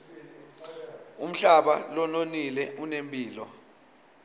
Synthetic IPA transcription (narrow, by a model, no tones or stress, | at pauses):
um̩ɬaɓa̰lɔnonilɛʔunempʼiːlɔ